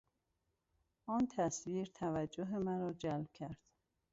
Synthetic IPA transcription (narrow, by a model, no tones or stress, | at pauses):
ʔɒːnt̪ʰæsviːɾt̪ʰævæd͡ʒːoɦemæɾɒːd͡ʒælb̥̚cʰæɾd̪̥